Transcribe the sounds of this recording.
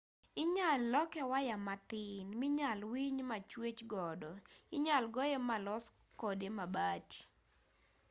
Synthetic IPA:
ɪɲalːɔkɛwajamat̪ɪnmɪɲalwiɲmat͡ʃwet͡ʃɡɔdɔɪɲalɡɔjemalɔs | kodemabati̥

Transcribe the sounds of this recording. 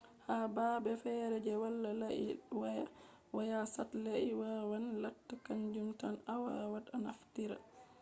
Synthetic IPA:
habaːbɛfɛɾɛd͡ʒɛwalːalwaja | wajasatlaʔiwawanlatːakaɲd͡ʒumtanawawatanaftiɾa̰

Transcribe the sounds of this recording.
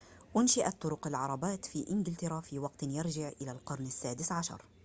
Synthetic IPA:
ʔʊnʃɪʔat̪ˤːʊɾʊqɪlʕɑɾˤɑbaːt̪fiʔɪnɡɪlt̪ɪɾˤafiwɑqt̪njɪɾˤʒɪʕʔɪlalqɑɾˤnɪsːaːd̪ɪsʕaʃɑ̰ɾˤ

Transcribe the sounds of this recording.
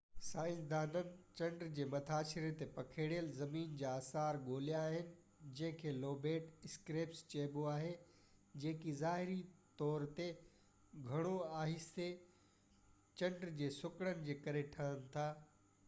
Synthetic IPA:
saːɪ̃nsd̪aːnənɪ̆t͡ɕɐ̃ɳɖɾd͡ʑeːmɐt̪ʰaːʃɪɾẽt̪epɐkʰeːɽjəlzɐmiːnd͡ʑaːsaːɾɠoːljãaːɦɪnɪ̆ | d͡ʑɐ̃ɦɪ̃kʰeːloːbeːʈɪskɾeːpst͡ɕeːboaːɦe | d͡ʑẽːkizaːɦɪɾit̪ɔːɾt̪e | ɡʱɐɽ̃oaːɦɪst̪e | t͡ɕɐ̃ɳɖɾd͡ʑeːsʊkɽənɪ̆d͡ʑeːkɐɾeʈʰɐɦənɪ̆t̪ʰaː

